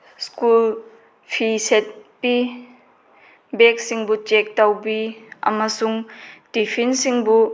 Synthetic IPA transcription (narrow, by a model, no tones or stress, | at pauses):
skul | pʰiset̚pi | bek̚siŋbut͡ʃek̚tɐwbiɐ̰mɐsuŋdipʰinsiŋbu